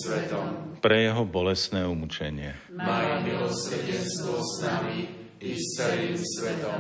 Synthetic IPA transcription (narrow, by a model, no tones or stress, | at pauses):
sʋɛt̪ɔmpɾɛjɛɦɔbɔlɛsnɛːumut͡ʃɛɲɪɛ | maːjumilɔsɾɟɛnst̪ʋɔsnami | ist̪ɛɾimsʋɛt̪ɔm